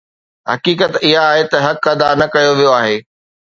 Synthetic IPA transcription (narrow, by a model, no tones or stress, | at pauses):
ɦɐkiːkət̪ɪɦaːɦet̪ɐɦɐkːɐd̪aːɾnɐkɐjoʋijoaːɦeː